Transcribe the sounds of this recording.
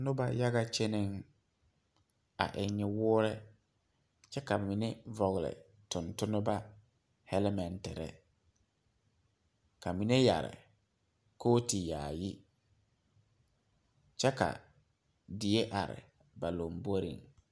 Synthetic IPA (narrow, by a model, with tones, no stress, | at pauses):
nʊ˦ba˦ja˦ɣa˦t͡ʃe˦ne˦ŋ | a̰˨ʔɪ˨ɲɪ˦wʊː˦ɾɛ˦ | t͡ʃɛ˦ka˨mɪ˨ne˦vɔ˨ɣlɪ̰˨ | tʊ˨ntʊ˦nʊ˦ba˦ | hɛ˦lɛ˦mɛ˨ntɪ˨ɾɛ̰˨ | ka˨mi˨ne˦ja̰˨ɾɪ̰˨ | koː˦ti˨jaː˨ji˦ | t͡ʃɛ˦ka̰˨ | di˨e˦ʔa˨ɾɪ̰˨ | ba˨lo˨mbo˦ɾḭ˨ŋ